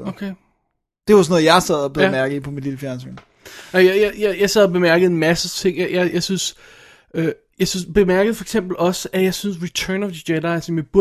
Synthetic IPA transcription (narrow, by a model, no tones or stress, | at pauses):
okʰe | d̥e̝ʋɑsɔnɔ̽ð̩ˠjɑ̈ɪsɛð̰ˠɒb̥emæɐɡ̥ð̩ˠipʰɒ̽mid̥liləfjæɐnsḛn | nɑjajajajɑ̈ɪsɛð̰ˠɐb̥e̝mæɐɡ̥əð̩ˠenmæsət͡sʰe̝ŋ̰jɑɪjɑ̈ɪjɑ̈ɪsyns | ø | jɑɪsynsb̥e̝mæɐɡ̥ð̩ˠfɒ̽e̥ɡ̥sem̰b̥l̩ɒ̽səʔæjɑ̈ɪsynsʁit͡sʰɜːnɒd̥əd̥æɾɑɪsɒ̽mjäb̥uɐ